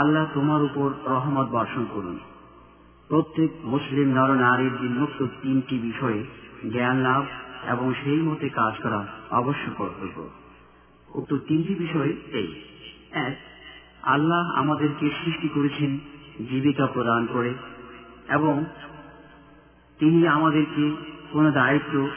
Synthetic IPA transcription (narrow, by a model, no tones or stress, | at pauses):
alːat̪omaɾupoɾɾɔɦmat̪̚bɔɾʃonkoɾṵn | pɾot̪ːek̚muslimnɔɾonaɾeɾd̪inːukt̪ot̪inʈibiʃɔeɡɛanlabḛboŋʃejmot̪ekad͡ʑkɔɾaɔ̰boʃːokoɾt̪oko̰ | ṵk̚t̪ot̪inʈibiʃɔeḛj | ɛk̚ | a̰lːaɦa̰mad̪eɾkesɾiʃʈikoɾet͡ɕʰend͡ʑibikapɾod̪ankoɾe | eboŋ | t̪iniamad̪eɾkekonod̪ait̪ːo